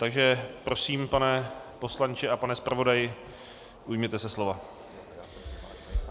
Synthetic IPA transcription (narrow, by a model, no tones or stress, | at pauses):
t̪aɡʒɛpɾo̞siːmpanɛpo̞slant͡ʃɪapanɛspɾavo̞dajɪ | ʔujmɲɛt̪ɛsɛslo̞va